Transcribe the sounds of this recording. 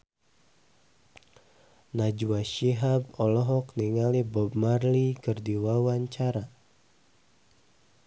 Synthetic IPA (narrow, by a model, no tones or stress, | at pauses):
nad͡ʒuaʃiɦab̚ɔlɔɦɔkniŋalibɔbmarlikɨrdiwawaɲt͡ʃaɾa